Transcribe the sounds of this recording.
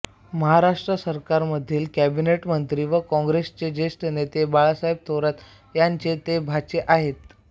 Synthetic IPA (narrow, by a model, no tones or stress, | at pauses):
məɦaɾaʂʈɾəsəɾkaɾməd̪ʱiːlkæbineʈmənt̪ɾiːʋəkɔ̃ŋɡɾest͡ɕed͡ʑesʈənet̪ebaɭasaɦib̚t̪ʰoɾət̪ | jaɲt͡ɕet̪ebʱat͡ɕeʔaɦet̪